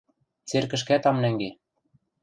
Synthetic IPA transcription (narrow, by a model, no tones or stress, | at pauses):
t͡serkɘ̆ʃ̬kæt̪ɑmnæŋɡe